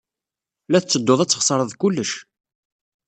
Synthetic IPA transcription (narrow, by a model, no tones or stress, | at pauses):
læθt͡sːəd̪ːoðˤæt͡sːə̥χsˤəɾˤəðˤkulːəʃ